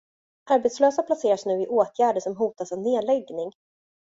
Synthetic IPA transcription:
ʔaɾbɛt̪sløːsapʰlaseːɾaʂnʉ̟ːɪʔoːt̪ʰjæːɖəʂɔmɦuːt̪asavneːlɛɡnɪŋ

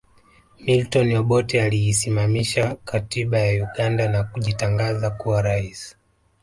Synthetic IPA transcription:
miltɔnɔɓɔtɛaliːsimamiʃakatiɓajauɠandanakuʄitaŋɡazakuwaɾaisi̥

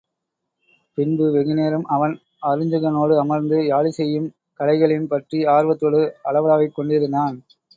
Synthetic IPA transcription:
pɪnbɯʋɛɣɪneːɾɯmʔɐʋɐn | ɐɾɯɲd͡ʒɯɣɐnoːɽɯɐmɐɾnd̪ɯjaːɭisɛjːɯm | kɐɭɐɪɣɐɭɪnpɐʈriaːɾʋɐt̪ːɔɽɯɐɭɐʋɐlaːʋɐɪkːɔɳɖɪɾɯnd̪aːn

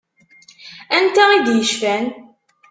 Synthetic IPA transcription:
ænt̪æid̪jəʃfæn

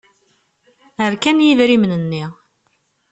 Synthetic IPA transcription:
əɾkænjivɾimnənːi

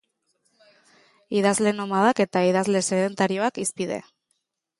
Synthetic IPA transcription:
iðazle̞nomaðake̞t̪aið̞azle̞seðe̞nt̪aɾio̞akispið̞e̞̰

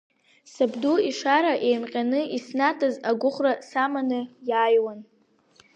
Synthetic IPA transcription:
sabduiʂaɾaʔe̞jmqʲʼanɨisnatʰʼazaɡʷʊχʷrasamanɨjaːjwan

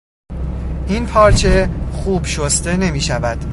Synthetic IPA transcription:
ʔinpʰɒːɾt͡ʃʰe̞xuːbʃost̪e̞ne̞miːʃævæd̪̥

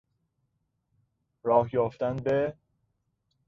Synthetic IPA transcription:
ɾɒːhjɒːft̪ænbe

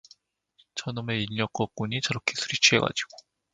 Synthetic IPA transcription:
t͡ɕʰʌnɯme̞iʎːʌk͈ʌk̚k͈uɲit͡ɕʌɾʌkʰesʰuɾit͡ɕʰiɦe̞̰ɡa̰d͡ʑiɡ̥o

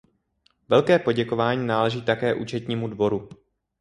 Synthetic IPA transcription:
vɛlkɛːpo̞ɟɛko̞vaːɲiːnaːlɛʒiːt̪akɛːʔṵt͡ʃɛt̪ɲiːmudvo̞ɾu

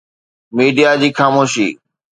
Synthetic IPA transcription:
miːɖijad͡ʑiːxaːmoːʃḭː

